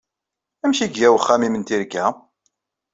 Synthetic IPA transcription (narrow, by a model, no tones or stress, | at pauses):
æmʃiɡjæwəχːæmimənt̪iɾkːæ